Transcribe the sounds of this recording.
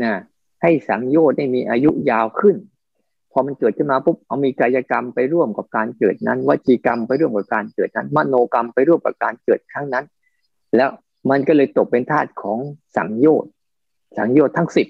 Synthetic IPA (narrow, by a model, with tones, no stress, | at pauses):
naː˧˩ | ha˥˩jsa˩˦ŋjoː˥˩t̪̚niː˥˩miː˧ʔaː˧ju˦˥jaː˧wkʰɯ˥˩n | pʰɔː˧ma˧nkɤː˨˩t̪̚kʰɯ˥˩maː˧pʰo˦˥p̚ʔa˧wmiː˧kaː˧jaː˧ka˧mpa˧jɾu˥˩əmka˨˩p̚kaː˧nkɤː˨˩t̪̚na̰˦˥nwa˦˥t̪̚ʰiː˧ka˧mpa˧jɾu˥˩əmka˨˩p̚kaː˧nkɤː˨˩t̪̚na˦˥nma˦˥˩noː˧ka˧mpa˧jɾu˥˩əmka̰˨˩p̚kaː˧nkɤː˨˩t̪̚kʰɾaː˦˥˩ŋna˦˥n | lɛː˦˥w | ma˧nkɔː˥˩lɤː˧jt̪o˨˩k̚pe˧nt̪ʰaː˥˩t̪̚kʰɔː˩˦ŋsa̰˩˦ŋjoː˥˩t̪̚ | sa˩˦ŋjoː˥˩t̪ʰːa˦˥ŋsi˨˩t̪̚